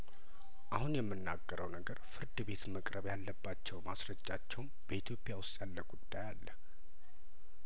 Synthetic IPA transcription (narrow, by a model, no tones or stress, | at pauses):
ʔahunjɛmːɨnːaɡːəɾəwnəɡəɾfɨɾd̪ɨbe̞t̪məkʼɾʔəβjalːəbːat͡ʃːɛwmasɾəd͡ʒːat͡ʃːɛwnb̥əit̪ʰjo̞pʼːjawʊst̪ʼjalːəɡud̪̥ːajalːə